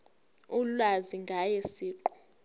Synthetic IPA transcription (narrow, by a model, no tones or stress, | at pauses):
ulwaziŋɡʱajesiːǃɔ